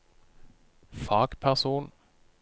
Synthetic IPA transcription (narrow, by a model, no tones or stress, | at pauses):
fɑːɡ̥pʰæʁsuːn